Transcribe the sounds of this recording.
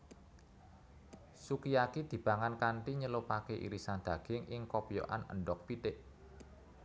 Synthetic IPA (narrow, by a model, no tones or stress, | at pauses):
sukijakid̪̥i̤b̥ä̤ŋankaɳʈ̪iɲəlopakeʔḭɾisand̪̥ä̤ɡ̥ɪŋʔɪŋkopjo̰ʔa̰nə̰ɳɖɔk̚pit̪ɪʔ